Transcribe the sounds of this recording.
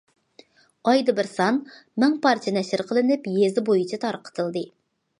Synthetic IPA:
ɑjd̪ɨbɪɾsɑnmɛŋpɑɾt͡ʃʰɛnɛʃɪɾqʰəlˠɨnɪpjezɪbojit͡ʃʰɛt̪ʰɑɾqʰə̥t̪ʰɨlˠd̪ɨ

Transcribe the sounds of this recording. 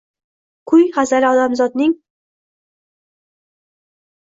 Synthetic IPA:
kʰʊjχazaɾɪɒd̪amzɒd̪nɪŋ

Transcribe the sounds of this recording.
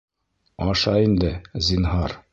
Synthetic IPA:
ɒʃɑind̪ɘzʲinɦɑɾ

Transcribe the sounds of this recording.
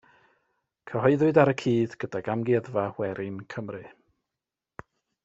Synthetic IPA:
kʰəɦɔɨðɨdaɾəkʰiːð̥ɡ̥ədaɡamɡɪðvahwɛɾɪnkʰəmrɨ

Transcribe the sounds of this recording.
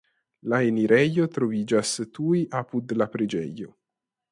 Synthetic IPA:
laeniɾɛjːot̪ɾovid͡ʒast̪uiʔapud̪lapɾed͡ʒɛ̰jːo

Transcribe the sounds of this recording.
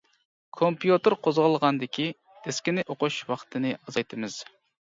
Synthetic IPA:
kʰompjut̪ɨɾqʰozʁəlˠʁɑnd̪ɪkʲi | d̪̥ʰeskʲinɪʔoqʊʃwɑqʰt̪ʰɨnɨɑzɑjt̪ʰɨmɨz̥

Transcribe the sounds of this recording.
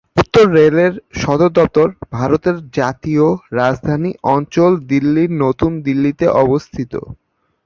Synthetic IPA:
ut̪ːoɾːeleɾʃɔd̪oɾd̪ɔp̚t̪oɾbʱaɾot̪eɾd͡ʑat̪ioɾad͡ʑd̪ʱaniʔɔnt͡ɕold̪ilːiɾnot̪und̪ilːit̪eʔɔbost̪ʰit̪o̰

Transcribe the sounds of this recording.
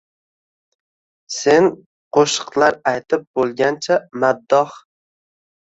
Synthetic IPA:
se̞n | qʰoʃɨqlˠaɾajt̪ʰɪp̚bolˠɡʲant͡ʃʰamad̪ːɒh

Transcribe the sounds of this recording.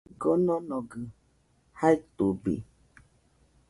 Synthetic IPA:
ɡɔnɔ̃nɔ̃ɡɨ | hait̪ubḭ

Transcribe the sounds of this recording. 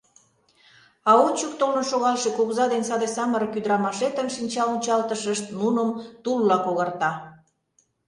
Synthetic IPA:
ɑot͡ɕuk̚t̪olə̆nʃoɣɑlʃekuɣzɑd̪ensɑd̪esɑməɾəkyd̪ɾɑmɑʃet̪ənʃinʲt͡ɕɑlunʲt͡ɕɑlt̪əʃəʃt̪nunəmt̪ulːɑkoɣɑrt̪ɑ

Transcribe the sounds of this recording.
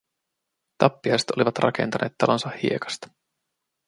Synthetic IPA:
t̪ɑpːiɑjse̥t̪o̞liʋɑt̪rɑ̰kʰe̞̰nt̪ɑnʔe̞ːt̪ːɑlo̞nsɑhhḭekɑ̥st̪ɑ̥

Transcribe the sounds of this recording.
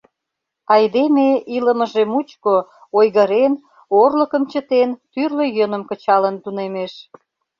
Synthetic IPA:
ɑjd̪emeʔiləməʒemut͡ɕko | ojɣəɾen | orlə̆kəmt͡ɕət̪ent̪yrløjønəmkə̆t͡ɕɑlənt̪unemeʃ

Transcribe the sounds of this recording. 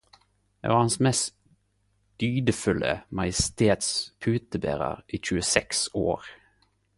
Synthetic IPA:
ḛʋɑːʁhɑnsmɛst̪ | d̪̥yːd̪əfʉlʔəmɑjəst̪eːt̪spʰʉːt̪əbḛːʁə̰ʁʔiːc͡çʉːəsɛkso̰ːʁ

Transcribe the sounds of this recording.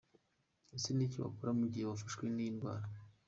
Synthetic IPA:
esiniciβa̰kuɾamuɟijeβafaʃkweniinɡwa̰ːɾa

